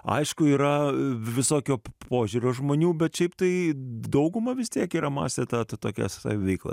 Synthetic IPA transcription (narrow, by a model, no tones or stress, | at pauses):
ɐ̰ɪʃkʊiːɾɐʋʲɪsoːkʲoːpoːʒʲuːɾʲoːʒmoːnʲuːbʲɛt̪ʃʲɛɪpt̪ɐɪd̪ɐʊɡʊmɐʋʲɪst̪ʲiɛkiːɾɐmɑ̰ːsʲt̪ʲeːt̪ɐt̪ɐt̪oːkʲɛ̰st̪ɐ̰ʋʲɪʋʲɛɪklˠɐ̰